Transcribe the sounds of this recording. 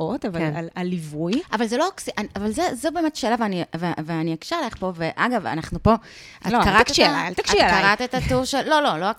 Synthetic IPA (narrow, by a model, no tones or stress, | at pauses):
ʔotavaenalalːivujʔavalzelo̞aksiʔanavalzezobe̞ːmetʃeːlaveaniveveaniakʃialeχpo̞veʔaɡava̰naχnupo̞ | a̰kaʁatkʃiaat̪akʃiakaʁat̪etatuʁʃelːo̞lo̞loa